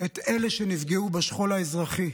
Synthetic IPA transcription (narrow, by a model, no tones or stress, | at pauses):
et̪e̞leʃenivɡeubaʃχo̞laezʁaχi